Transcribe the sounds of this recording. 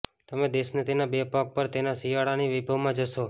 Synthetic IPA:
t̪əmẽd̪esnət̪ʰinabepak̚pəɾt̪enasijaɽaniʋibʱəʋmãd͡ʒəʃo

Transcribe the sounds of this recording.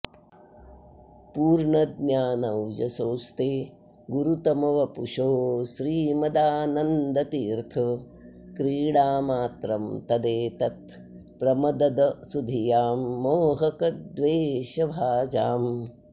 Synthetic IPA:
puːɾɳɐd̪̚njaːnɐwd͡ʒɐsoːst̪eː | ɡuɾut̪ɐmɐʋɐpuʂoːʃɾiːmɐd̪aːnɐnd̪ɐt̪iːɾt̪ʰɐ | kɾiːɽaːmaːt̪ɾɐmt̪ɐd̪eːt̪ɐt̪̚ | pɾɐmɐd̪ɐd̪ɐsud̪ʱijaːmːoːɦɐkɐd̪ʋeːʃɐbʱaːd͡ʒaːm

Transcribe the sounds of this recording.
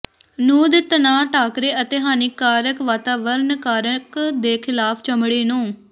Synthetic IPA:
nũːd̪ɪt̪naːʈaːkɾeːət̪eːɦaːnɪkːaːɾəkʋaːt̪aːʋəɾnkaːɾəkd̪eːkʰɪlaːpʰt͡ʃəmɽeːnũː

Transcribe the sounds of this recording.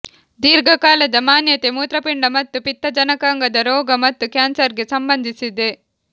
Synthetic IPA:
d̪iːɾɡʱɐkaːlɐd̪ɐmaːnjɐt̪emuːt̪ɾɐpiɳɖɐmɐt̪ːupit̪ːɐd͡ʒɐnɐkaːŋɡɐd̪ɐɾɔːɡɐmɐt̪ːukjaːnsɐɾɡesɐmbɐnd̪ʱisid̪e

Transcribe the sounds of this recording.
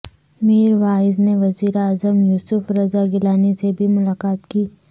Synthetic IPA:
miːɾʋaːɪzneʋɐziːɾaːzəmjuːsʊfɾɐzaɡɪlaːnisebʱimʊlaːkaːt̪kiː

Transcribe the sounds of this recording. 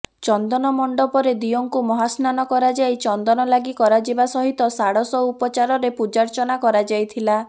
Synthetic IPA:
t͡ʃɔnd̪ɔnɔmɔɳɖɔpɔɾed̪ijoŋkumɔɦasnanɔkɔɾad͡ʒajt͡ʃɔnd̪ɔnɔlaɡikɔɾad͡ʒibasɔɦit̪ɔsaɽɔsɔupɔt͡ʃaɾɔɾepud͡ʒaɾt͡ʃɔnakɔɾad͡ʒajt̪ʰila

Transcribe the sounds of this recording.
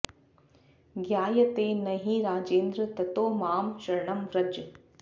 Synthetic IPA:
ɡjaːjɐt̪eːnɐɦiɾaːd͡ʒeːnd̪ɾɐt̪ɐt̪oːmaːmʃɐɾɳɐmʋɾɐd͡ʒ

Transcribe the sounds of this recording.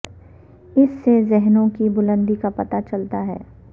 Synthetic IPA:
ɪsːezɛɦnõkibʊlə̃nd̪ikapɐt̪at͡ʃɐlt̪aɦɛ̰ː

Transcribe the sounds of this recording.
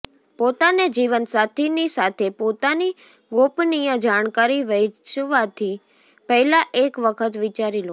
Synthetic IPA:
pot̪aned͡ʒiʋənsat̪ʰinisat̪ʰepot̪ani | ɡopnijə̃d͡ʒaɳ̃kaɾiʋət͡ʃʋat̪ʰi | pəɦlaʔekʋəkʰət̪ʋit͡ʃaɾilõ

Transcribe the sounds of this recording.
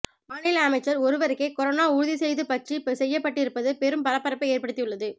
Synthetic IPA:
maːnɪlɐɐmɐɪt͡ʃːɐɾɔɾɯʋɐɾɯkːekɔɾonaːʊɻɯðisɛjðɯpɐʈrisɛjːɐpːɐʈːɪɾɯpːɐðɯpɛɾɯmpɐlɐpːɐɾɐpːɐeːɾpɐɽɯt̪ːijɯɭːɐðɯ

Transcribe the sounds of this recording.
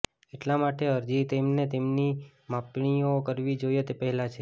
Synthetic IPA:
eʈlamaʈeəɾd͡ʒit̪emnet̪emni | mapɳ̃ijokəɾʋid͡ʒojet̪epəɦɛlat͡ʃʰe

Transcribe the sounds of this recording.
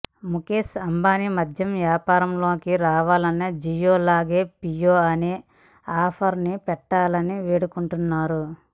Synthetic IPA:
mukeːsɐmbaːnimɐd̪ʱjɐmʋjaːpaːɾɐmlo̞ːkiɾaːʋaːlɐned͡ʒijoːlaːɡeːpijoːɐneː | aːpʰɐɾnipɛʈːaːlɐniʋeːɽukuɳʈunːaːɾu

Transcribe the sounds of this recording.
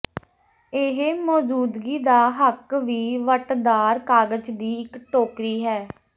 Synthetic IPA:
eɦmɔːd͡ʒuːd̪ɡiːd̪aːɦəkʋiːʋəʈd̪aːɾkaːɡət͡ʃd̪iːɪkʈoːkɾiːɦɛː

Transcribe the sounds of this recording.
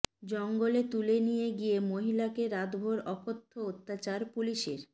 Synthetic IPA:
d͡ʑɔŋɡolet̪ulenijeɡijemoɦilakeɾad̪bʱoɾɔkʰot̪ʰːoot̪ːat͡ɕaɾpuliʃeɾ

